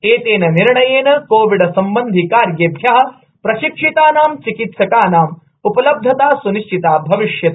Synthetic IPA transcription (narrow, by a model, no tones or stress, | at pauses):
eːt̪eːnɐniɾɳɐjeːnɐkoːʋiɖɐsɐmbɐnd̪ʱikaːɾjɐb̪ʱjɐɦɐ̆ | pɾɐʃikʂit̪aːnaːmt͡ʃikit̪sɐkaːnaːm | upɐlɐb̚d̪ʱɐt̪aːsuniʂʈʰit̪aːbʱɐʋiʂjɐt̪